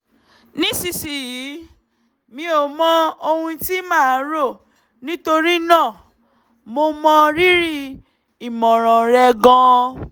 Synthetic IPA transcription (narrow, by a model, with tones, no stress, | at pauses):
nĩ˦si˧si˨jiː˨˦ | mĩ˧˦o˨mɔ̃˦o˧hũ˧ti˦mãː˦˨˦ɾo˦˨ | nĩ˦to˧ɾi˦nã˦˨ | mo˧mɔ̃˧ɾi˦ɾi˦ | i˨mɔ̃˨ɾ̃ɔ̃˨ɾɛ˧ɡɔ̃˧